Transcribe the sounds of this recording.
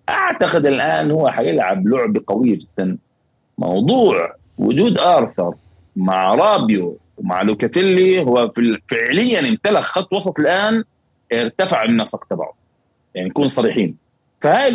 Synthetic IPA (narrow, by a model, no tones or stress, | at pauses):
ʔaʕt̪aqɪd̪ɪlʔaːnhʊwːaħajɪlʕablʊʕbaqawɪjːad͡ʒɪd̪̥ːan | mɑ̰wd̪ˤuːʕ | wʊ̰d͡ʒuːd̪ʔɑːɾˤθɑ̰ɾˤ | maʕɾˤɑːbju | wma̰ʕlʊkat̪ɪlːiɦʊwːafɪʕlɪjːanɪmt̪alaxxɑt̪ˤːwɑsˤɑt̪ˤɪlʔaːn | ʔɪɾt̪afaʕɪnːasaqt̪abɑ̰ʕdˤ | jaʕnijkuːnsˤɑɾiːħiːn | fahaː